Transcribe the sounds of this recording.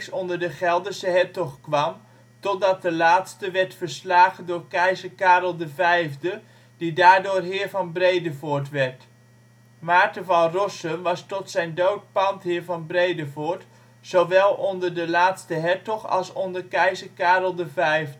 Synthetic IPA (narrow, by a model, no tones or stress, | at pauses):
sɔndəɹdəχɛlˠdəsəɦɛɹtɔχkʋɑm | tɔt̚dɑt̚dəlaːtstəʋɛɹtfəɹslaːχəndʊːɹkɛjzəkaːɾəlˠdəvɛjvdə | d̥idaːɹdʊːrɦɪːɹvɑnbrejdəvʊːɹtʋɛɹt | maːɹtəvɑnrɔsənʋɑstɔtsɛjndowt̚pɑntɦɪːɹvɑnbrejdəvʊːɹt | sowʋɛlˠɔndəɹdəlaːtstəɦɛɹtɔχɑ̰lˠsɔndəɹkɛjzəɹkaːɾəlˠdəvɛjv